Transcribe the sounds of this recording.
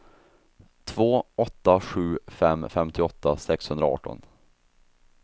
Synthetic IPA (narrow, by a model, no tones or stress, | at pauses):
t̪ʰvoːʔɔt̪ːaɧʉ̟ːfɛmːfɛmt̪ʰɪɔt̪ːasɛkshɵnd̪ɾaɑ̰ːʈɔ̰n